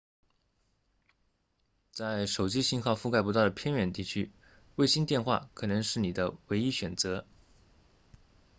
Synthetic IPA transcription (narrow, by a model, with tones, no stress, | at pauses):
t͡sa˥˩ɪʂo˨˩ʊt͡ɕi˥ɕi˥˧nxɑ˥˧ʊfu˥˧ka˥˩pu˧˥t̪ɑ˥˩ʊə˩pʰjɛ˥nɥɛ˨˩nt̪i˥˩t͡ɕʰy˥ | we˥˩ɪɕi˥nt̪jɛ˥˧nxwa̰˥˩kʰɤ˨˩nɤ˧˥ŋʂɻ̩˥˩ni˨˩d̪ə˦we˧˥ɪi˥ɕɥɛ˨˩nt͡sɤ˧˥